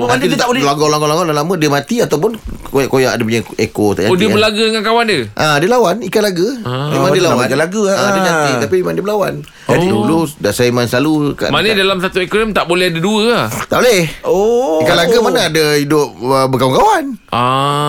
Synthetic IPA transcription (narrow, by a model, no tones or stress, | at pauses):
naad̪it̪abllaɡɔlaŋɡɔlaŋɡɔlalamə̃diəmat̪iat̪awp̬ʊnojaʔkojaʔa̰dəpuɲaekot̪a̰ʔɲaodibəlaɡadəŋankawandəʔadəlawanikatlaɡəmemmaŋdiəlawadalaɡəadəɲat̪it̪apimemãŋdiəbəlawan | d͡ʒadiduludaʔsajəmanslaluka̰ʔmanədalamsat̪uekoamt̪aʔbolɛhadaduət̪aʔbolɛhoikalaɡamanaadaidʊp̚əbəkawuŋkawana